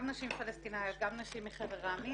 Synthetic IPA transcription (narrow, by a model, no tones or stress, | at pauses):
mnaʃimfalest̪inajot̪̚ɡamnaʃimːiχeveʁami